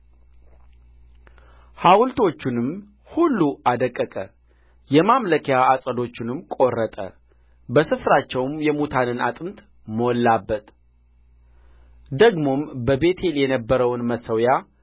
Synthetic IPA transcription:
hawʊlt̪ʰo̞t͡ʃːɪnɨm | hulːuʔad̪əkʼːəkʼə | jɛmamləkʰejaasʼəd̪o̞t͡ʃːɪnɨmkʼo̞rːət̪ʼə̰ | bəsɨfɾat͡ʃːɛwmjɛmut̪ʰanɨna̰t̪ʼɨmt̪ | məwɔlːabːət̪ | d̪əɡmo̞mbəbe̞t̪ʰe̞ljɛnəbːəɾəwnməsəwja

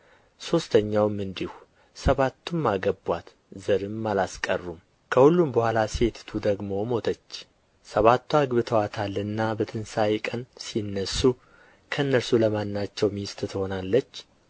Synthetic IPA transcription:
so̞st̪ʰəɲːawɨmːɨnd̪ihu | səβat̪ʰːumːaɡəbwat̪ | zəɾɨmːalaskʼə̰rːum | kʰəhulːumbəhʷalase̞t̪ʰt̪ʰud̪əɡmo̞mo̞t̪ʰət͡ʃː | səβat̪ːuaɡβɨt̪ʰəwat̪ʰalːɨnːabət̪ʰɨnsajkʼənsinːəsːu | kʰəɨnːəɾsuləmanːat͡ʃːɛwmist̪ʼt̪ʰho̞nalːət͡ʃː

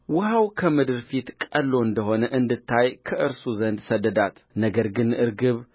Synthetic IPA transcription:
wʊhawkʰɐmɨd̪ɨɾfit̪kʼɐlːo̞ɨnd̪əho̞nəʔɨnd̪ɨt̪ʰːajkʰɐʔɨɾsuzɐnd̪sɐd̪əd̪at̪ | nɐɡɐɾɡɨnʔɨɾɡɨβ

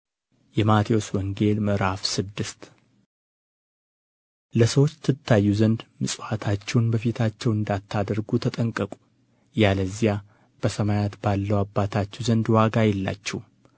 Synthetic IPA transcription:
jɛmat̪ʰijo̞swɔŋɡe̞lməɾafsɨd̪ːɨst̪ | ləsəwot͡ʃːt̪ʰːɨt̪ʰːajːuzənd̪mɨsʼwat̪ʰat͡ʃːɛwnbəfit̪ʰat͡ʃːɛwɨnd̪at̪ʰːad̪əɾɡut̪ʰət̪ʼəŋkʼːəkʼu̥ | jaləzːija | b̥əsəmajat̪balːəwabːat̪ʰat͡ʃːɛwzənd̪waɡajɛlːa̰t͡ʃːɛw

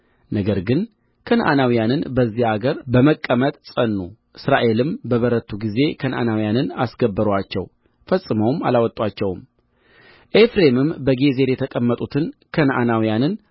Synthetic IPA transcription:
nəɡəɾɡɨn | kʰənʔa̰nawijanɨnbəzːihaɡəɾbəməkʼːəmət̪ʼsʼənːuʔɨsɾaʔe̞lɨmbəβəɾət̪ʰːuɡize̞kʰənʔa̰nawijanɨnasɡəbːəɾwat͡ʃːɛ̰w | fəsʼːɨməwma̰lawɔt̪ʼwat͡ʃːɛwm | ʔefɾe̞mɨmbəɡe̞ze̞ɾjɛt̪ʰəkʼəmːət̪ʼut̪ʰɨnkʰənʔanawijanɨn

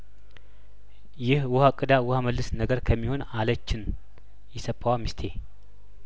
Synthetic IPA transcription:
jɪhwʊhakʼɨd̪awʊhaməlːɨsnəɡəɾkʰəmːiho̞nalət͡ʃːɪn | jɛsəpʰʼːawamist̪ʰe

